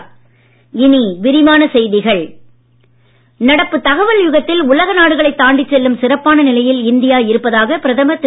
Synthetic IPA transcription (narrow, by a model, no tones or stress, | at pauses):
ɪniʋɪɾɪmaːnɐsɛjðɪɣɐɭ | nɐɽɐpːɯt̪ɐɣɐʋɐljʊɣɐt̪ːɪlʊlɐɣɐnaːɽɯɣɐɭɐɪt̪ːaːɳɖɪt͡ʃːɛlːɯmsɪrɐpːaːnɐnɪlɐjɪlɪnd̪ɪjaːɪɾɯpːɐðaːɣɐpɪɾɐðɐmɐt̪ːɪ